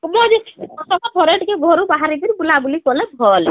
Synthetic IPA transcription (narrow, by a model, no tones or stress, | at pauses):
mɔd͡ʒet͡ʃʰɔsɔkapʰɔɾeʈkeɡʱɔɾubaɦaɾid̪iɾbulabulikɔlɛb̪̚bʱɔl